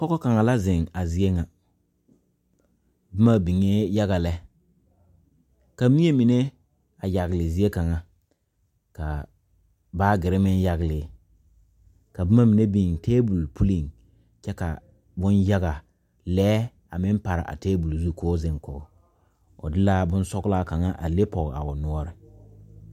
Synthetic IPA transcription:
kɔ˦kɔ˦ka˨ŋa˨la˦zɪ˨ŋa˨zi˨e˦ŋa˨ | bɪ˦ma˦bi˨ŋe˦ja˦ɣa˨lɛ˦ | ka˨mi˦e˦mi˨ne˦ | a˨ja˨ɣlɪ˨zi˦e˦ka˨ŋa˨ | ka˨ | baː˦ɡɪ˨ɾɪ˦mɪ˦nja˨ɣlɪ˨˦ | ka˨bɪ˦ma˦mi˨ne˦bi˨ŋteː˦bu˨lpʰu˦li˨ŋ | t͡ʃɛ˦ka̰˨ | bʊ˦nja˦ɡa˨ | lɛː˦ | a˨mɪ˦m˦pa˨ɾɪ̰˨ʔa̰˨teː˦bu˨lzu˦koː˦zɪ˦ŋkɔː˨˦ | ʊ̰˨dɪ˦la˦bʊ˦n˦sɔ˦ɡla˦ka˨ŋa˦ʔa̰˨le˦pɔ˨ɣa̰˨ʊ˨nʊ˦ɔ˦ɾɪ˨

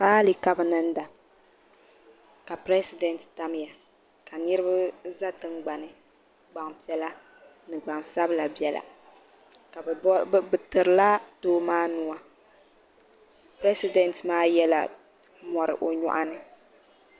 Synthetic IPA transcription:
saː˦li˨ka˦bɨ˦nɨ˦n̩˦da˨ | ka˨pɾɛ˦si˦dɛ˨ntta˦m˦ja˨ | ka˨nɨ˦ɾɨ˦ba˦za˦tɨ˦ŋɡ͡ba˨nɨ˨ | ɡ͡ba˨ŋpi˨˦ɛ˦la˦ | nɨ˨ɡ͡ba˨ŋsa˦bɨ˦la˨bjɛ˨lʔa̰˨ | ka˨bbɨ˨tɨ˨ɾɨ˨la˦toː˦maː˦nu˦a˦ | pɾɛ˦si˦dɛ˨ntmaː˦jɛ˦la̰˨ | mɔ˨ɾɨ̰˨ʔo˨ɲɔ̰˦ʔa˦nɨ˦

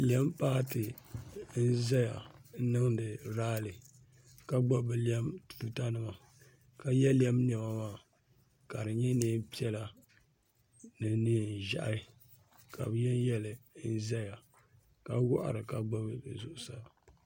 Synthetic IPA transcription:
li˨ɛ˦m˦paː˦tɨ˨n̩˦zɛ˦ja˨˦nɨ˦ŋdɨ˨ɾaː˦lɨ˨ | ka˦ɡ͡ba˦bɨ˨li˦ɛ˦mtu̥˨tu˦ta˦nɨ˨ma˨ | ka˨jɛ˦li˦ɛ˦mn˨ɛ˨ba˨ma˦˨ | ka˨ɾɨ˨ɲɛ˦neː˦pi˦ɛ˦la˨ | nɨ˨ni˦˨n˨ʒa̰˦ʔa˦˨˦ | kʰa̰˨bjɛ˦n˦jɛ˦lɨ˨n̩˦zɛ˦ja˨ | ka˨˦wɔ˦ʔa̰˨ɾɨ˨ka˨ɡ͡ba˦bzʊ˨ʔʊ˨sa˦˨

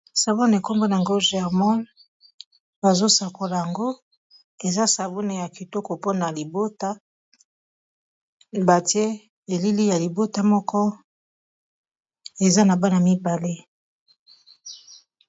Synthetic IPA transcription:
sa˨bo˦n˨e˨ko˦mbo˦na˨ŋɡo˦ʒɛ˨ʁmɔ̃˦n | ba˨zo˦sa˨ko˨la˨ja˨ŋɡo˦ | e˨za˦sa˨bo˦ne˨ja˨ki˨to˦kɔ˨po˦na˨li˨bo˦ta˦ | ba˨ti˦e˦ | e˨li˦li˦ja˨li˨bo˦ta˦mɔ˦kʰɔ˦ | e˨za˦na˨ba˦na˨mi˦ba˨le˦

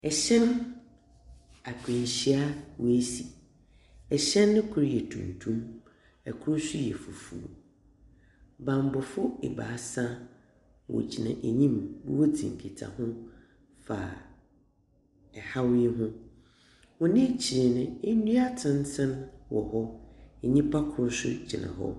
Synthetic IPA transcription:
ɛ˨ɕɛ̃˦n | a˨kʰɪ̃˨n˨ɕi˦a˦we˦si˨ | ɛ˨ɕɛ̃˦nːɪ̃˦kʰʊ˦ɾjɛ˨tʰṵ̃˨n˨tʰũ˦m | ɛ˨kʰʊ˦ɾʊ˦su˦jɛ˨fu˨fṵ˨u˨ | bã˨m˨bɔ˨fʊ˦ḛ˨ba̰ː˨˦sã˦ | wo̰˨d͡ʑʰi˨nã˨ʔe˨ɲĩ˦mbu˦wo˦tʰḭ̃˨ŋ̩˨kʰi˨tʰa̰˨hʊ̃˦ | faː˨ | ha˦wi˦e˦ɦʊ̃˦ | wɔ̃˨nɪ̃˦t͡ɕʰi˨ɾe˨nɪ̃˨e˦nũ˦a˦tʰɪ̃˦n˦tʰɪ̃˦nwɔ˨hɔ˦ɛ˨ɲĩ˦pʰa˦kʰʊ˨ɾʊ˦sʊ̰˦t͡ɕʰi˨nã̰˨ɦɔ̰˦

